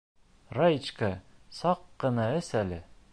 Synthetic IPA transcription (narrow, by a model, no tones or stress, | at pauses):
rajt͡ɕkɑsɑqːɤ̆nɑɘsælɘ